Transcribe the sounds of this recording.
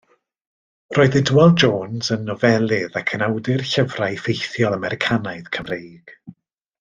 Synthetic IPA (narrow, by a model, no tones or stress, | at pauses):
roːɨðɪdwɛlˠd͡ʒoːnzənːɔvɛlˠɪðakʰənawdɪrɬəvrajfejθjɔlˠamɛɾɪkʰanaɨðkʰəmrejɡ̥